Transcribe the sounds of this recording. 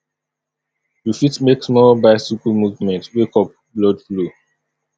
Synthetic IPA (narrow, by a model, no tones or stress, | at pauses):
jufitmeksmɔlbaɪsukəlmuvmɛ̃ntwekɔp̚blɔdflu